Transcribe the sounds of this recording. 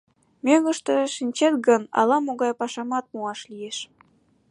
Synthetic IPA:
mʲøŋə̆ʃt̪ɤʃinʲt͡ɕet̪̚ɡənɑ̰lɑmoɣɑjpɑʃɑmɑt̪̚muɑʃlijeʃ

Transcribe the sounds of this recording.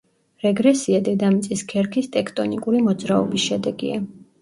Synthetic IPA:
ɾɛɡɾɛsiad̪ɛd̪amit̪sʼiskʰɛɾkʰist̪ʼɛkʰt̪ʼɔnikʼuɾimɔd̪zɾaɔbisʃɛd̪ɛɡḭa

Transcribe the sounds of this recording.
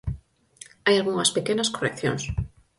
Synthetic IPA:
ajalɣuŋɐspekenaskorekθjo̰ŋs

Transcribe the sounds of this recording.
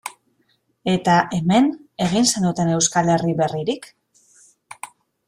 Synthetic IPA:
e̞t̪aʔe̞me̞ne̞ɣ̞inse̞nut̪e̞ne̞wskale̞riβe̞riɾik

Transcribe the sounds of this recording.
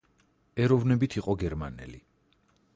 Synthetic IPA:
ɛɾɔvnɛbit̪ʰiqʼɔɡɛɾmanɛ̰li

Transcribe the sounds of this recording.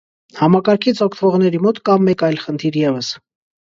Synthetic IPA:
hɑmɑkɑɾkʰit͡sʰɔkʰt̪ʰvɔʁn̪ɛɾimɔt̪kɑmːɛkɑjlχənt̪ʰiɾjɛvəs

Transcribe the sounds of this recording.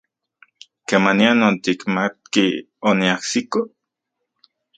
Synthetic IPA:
kemanianont̪ikmat̪̚ki | oniahsiko

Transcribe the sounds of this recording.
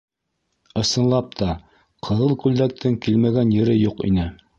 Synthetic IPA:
ɤ̆sɤ̆nlˠɑp̚t̪ʰɑ | qʰɤ̆ðɤlˠkʉld̪æk̚t̪ʰɘŋkilmæɡænjɘ̆ɾɘjuqḭnɘ

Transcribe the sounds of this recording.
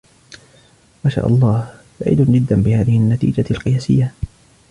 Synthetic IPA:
maʃa̰ːʔɑ̰lˤːɑːh | ba̰ʕḭd̪ʊnd͡ʒɪd̪ːanbɪhaːðɪhɪʔanːat̪ḭːd͡ʒalqɨjaːsɪjːa

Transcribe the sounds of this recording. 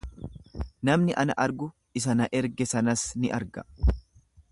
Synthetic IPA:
nɐmnɪʔɐnɐ̰ʔɐɾɡʊ | ɪs̬ɐnɐʔɛɾɡɛsɐnɐsnɪʔɐɾɡɐ

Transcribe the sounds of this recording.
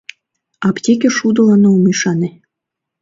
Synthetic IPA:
ɑptʲek̬ʲeʃud̪ɤ̆lɑnoumiʃɑne

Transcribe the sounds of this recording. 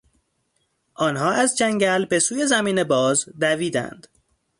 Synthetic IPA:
ʔɒːnɦɒːæzd͡ʒæŋɟælbe̞suːje̞zæmiːne̞bɒːzd̪æviːd̪æ̰nd̪̥

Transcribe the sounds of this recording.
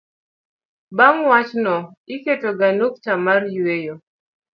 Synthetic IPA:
baŋwat͡ʃnɔiketoɡanok̚t͡ʃamarjwejo

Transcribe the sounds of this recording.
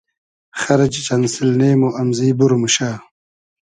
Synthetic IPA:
xɐɾɐt͡ɕit͡ɕɐnsilneːmoʔɐmziːbuɾomuɕaː

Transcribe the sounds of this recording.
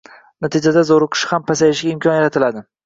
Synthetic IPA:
nat̪ʰɪd͡ʒad̪azoɾɨqʰɨ̥ʃɪ̥hampʰasajɪʃɡʲaɪmkʰɒnjaɾat̪ʰɪlad̪ɪ

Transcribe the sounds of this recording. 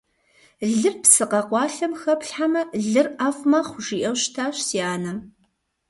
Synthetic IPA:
ɮɨrpsɨqɐqʷɑːɬɐmxɐpɬħamɐɮɨraːfmɐχʷʊʒiːʔɐwɕtʰaːɕsiaːnɐm

